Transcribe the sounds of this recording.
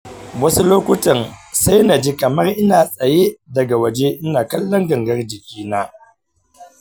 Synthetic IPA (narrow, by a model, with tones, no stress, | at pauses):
wɐ˦su˦loː˦kʷʊ˦tɐ˨nsa˦jna˨d͡ʒi˦kɐ˨mɐ˦rʔɪ˦naː˨sʼɐ˨je˦dɐ˨ɡa˨wɐ˨d͡ʒe˦ʔɪ˦naː˨kɐ˦lːɐ˦ŋɡɐ˨ŋɡɐ˦rd͡ʒɪ˨kʲiː˦naː˦